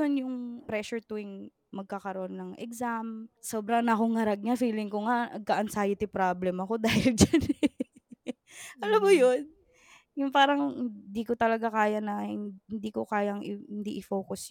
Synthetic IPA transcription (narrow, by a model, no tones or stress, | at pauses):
onjʊŋpɾɛʃʊɹt̪uɪŋ | mɐɡ̚kakɐɾoʔonːɐŋʔɛ̰ɡsamsoːbɾɐŋnɐkoŋːɐɾɐɡ̚ɲafiːlɪŋkoŋaʔnɐɡ̚kaʔɐnsaːjɪt̪ɪpɾablɛmɐko̞d̪aːhɪld͡ʒan | ʔɐlamːʊjon | jʊŋpaːɾɐŋhɪnd̪iːkot̪ɐlɐɡakaːjɐnɐhhɪnd̪ikokaːjɐŋɪhɪnd̪iʔɪfoːkʊs